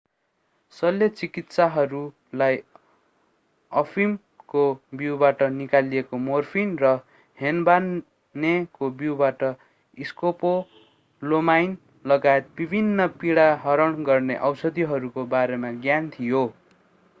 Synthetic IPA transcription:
sʌlet͡sikit̪saɦʌɾu | laj | ʌpʰim | kobiwbaʈʌnikaliekomorpʰinrʌ | henbanː | ekobiwbaʈʌ | iskopo | lomajn | lʌɡaet̪̚bibʱinːʌpiɽaɦʌɾʌɳɡʌrnḛʔʌwsʌd̪iɦʌɾukobaɾemaɡjant̪ʰijo

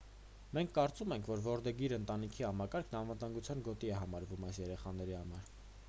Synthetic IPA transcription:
mɛŋkʰːɑɾt͡sumɛŋkʰvɔɾvɔɾd̪ɛɡiɾənt̪ɑnikʰihɑmɑkɑɾkʰnɑnvət̪ɑŋɡut͡sʰjɑnɡɔt̪iɛɦɑmɑɾvumɑjsjɛɾɛχɑnɛɾihɑmɑɾ

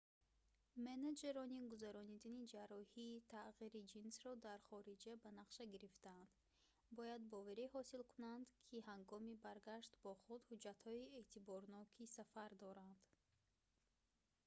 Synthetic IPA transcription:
mened͡ʒeɾɔniɡuzaɾɔnid̪anid͡ʒaɾɔhiːt̪ʰaʁiɾid͡ʒinsɾɔd̪aɾχɔɾid͡ʒabanaqʃaɡiɾift̪aand̪ | bɔjad̪̚bɔvaɾihɔsilkʰunand̪kʰiɦaŋɡɔmibaɾɡaʃt̪bɔχud̪hud͡ʒːat̪hɔiet̪ʰibɔɾnɔkʰisafaɾd̪ɔɾand̪̥

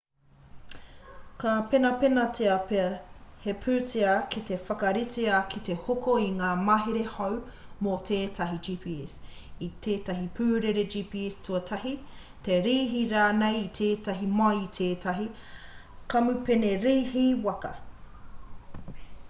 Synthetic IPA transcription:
kapenɐpenɐtʰeɐpehepʰʉːteakit̪e̞fɐkɐɾiteakʰit̪e̞hokoiŋaːmɐɦeɾehɐwmotʰeːtʰɐɦid͡ʒiːpʰiɛsit̪ʰeːtɐɦipʰʉːɾeɾed͡ʒiːpiɛstuɐtʰɐhi | te̞ɾiːɦiɾaːnejit̪ʰeːtɐɦimɐit̪ʰeːtʰɐɦi | kɐmʉpeneɾiːhiwɐkɐ̰

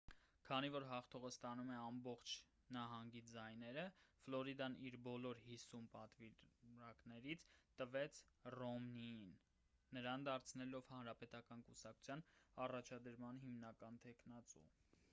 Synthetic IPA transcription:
kʰɑnivɔɾɦɑχt̪ʰɔʁəst̪ɑnumɛɑmbɔχt͡ʃʰ | nɑɦɑŋɡid͡zɑjnɛɾəflɔɾid̪ɑniɾbɔlɔɾhisumpɑt̪viɑknɛɾit͡sʰt̪əvɛt͡sʰrɔmninː | əɾɑnd̪ɑɾt͡sʰnɛlɔvhɑnɾɑpɛt̪ɑkɑnkusɑkʰu̥t͡sʰjɑnɑrɑt͡ʃʰɑd̪əɾmɑnɦimnɑkɑnt̪ʰɛknɑt͡sṵ

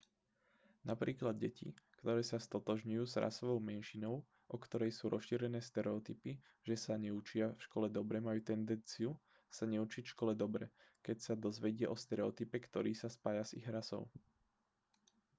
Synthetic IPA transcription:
napɾiːklad̪̚ɟɛcḭkt̪ɔɾɛːsast̪ɔt̪ɔʒɲujuːzɾa̰sɔʋɔʊmɛnʃinɔʊ | ʔɔkt̪ɔɾɛjsuːɾɔsʃiːɾɛnɛːst̪ɛɾɛɔt̪ipi | ʒ̥ɛsaɲɛut͡ʃɪafʃkɔlɛd̪ɔbɾɛmajuːt̪ɛnd̪ɛnt͡siu | saɲɛut͡ʃicfʃkɔlɛd̪ɔbɾɛkɛcsad̪ɔzʋɛɟɪɛʔɔst̪ɛɾɛɔt̪ipɛkt̪ɔɾiːsaspajazḭɣɾasɔ̰ʊ

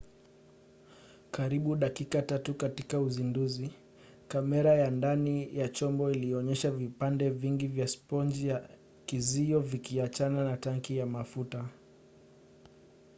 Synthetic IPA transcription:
kaɾiɓuɗakikatatukatikauzinduzi | kamɛɾajandanijat͡ʃɔmbɔiliɔɲɛʃavipandɛviŋɡivjaspɔnd͡ʒija | kiziɔvikiat͡ʃananataŋkijamafuta

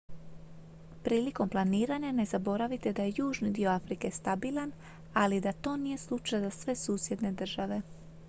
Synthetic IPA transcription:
pɾiːliko̞mplˠaniːɾaɲane̞zabo̞ɾaʋit̪e̞d̪aje̞juːʒnid̪io̞afɾike̞st̪abilˠan | alid̪at̪o̞ːnije̞slˠut͡ʃajazasʋe̞suːsje̞d̪ne̞d̪r̩ʒaʋe̞

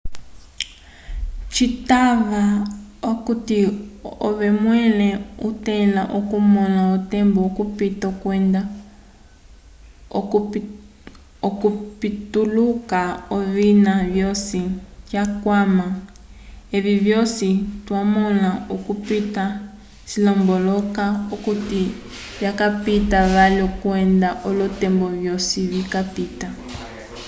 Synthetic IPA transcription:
t͡ʃitaβaokutio̰βɛmwɛlɛṵtɛlaʔokumɔnautɛmbookupitakwɛnda | okupitulukaoβinaβjosikjakwama | eβiβjositwamɔnaukupita | silɔmbɔlɔkaukuti | βjakapitaβalɔkuɛndaʔolɔtɛmbɔβjosiβikapita

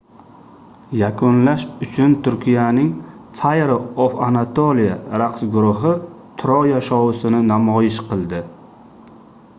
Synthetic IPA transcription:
jakʰʊnlaʃʊt͡ʃʰʊnt̪ʰʊɾkʲijanɪŋfajɾoofanat̪ʰolijaɾaqsɡʊɾʊɦɪ | t̪ʰʊɾɒjaʃɒwɪsɪnɪnamɒjɪʃqʰɨlˠd̪ɪ

